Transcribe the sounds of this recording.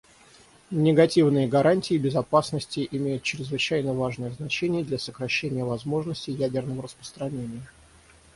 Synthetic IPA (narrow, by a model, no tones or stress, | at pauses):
nʲɪɡɐtʲivnɨjəɡɐɾanʲtʲɪːbʲɪzɐpasnəsʲtʲɪʔɪmʲejʊt̪t͡ɕɾʲɪzvɨt͡ɕæjnəvaʐnəjəznɐt͡ɕenʲɪjəd̪lʲasəkɾɐɕːenʲɪjəvɐzmo̞ʐnəsʲtʲɪjædʲɪrnəvəɾəspə̥st̪ɾɐnʲenʲɪjə